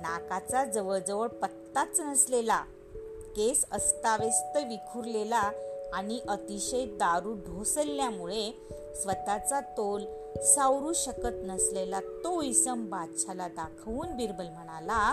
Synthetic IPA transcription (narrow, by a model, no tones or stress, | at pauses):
nakat͡sad͡zəʋəɭd͡zəʋəɭpət̪ːat͡snəslela | kesəst̪aʋest̪əʋikʰuɾlelaːɽ̃iʔət̪iɕəjd̪aɾuːɖʱosəlːjamuɭe | sʋət̪at͡sat̪ol | sawɾuːɕəkət̪nəslelat̪oisəmbadɕʰalad̪akʰʋuːnbiɾbəlm̤əɽ̃ala